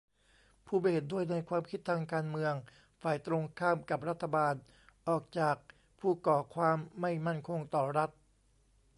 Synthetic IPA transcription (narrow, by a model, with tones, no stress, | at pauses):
pʰuː˥˩ba˧˨e˨˩t̪̚du˥˩əjna˧jkʰwaː˧mkʰi˦˥t̪ʰːaː˧ŋkaː˧nmɯ˧əŋ | faː˨˩jt̪ɾo˧ŋkʰaː˥˩mka˨˩p̚ɾa˦˥t̪ʰːa˧baː˧n | ʔɔː˨˩k̚t͡ɕaː˨˩k̚ | pʰuː˥˩kɔː˨˩kʰwaː˧mːa˥˩jma˥˩nkʰo˧ŋt̪ɔː˨˩ɾa˦˥t̪̚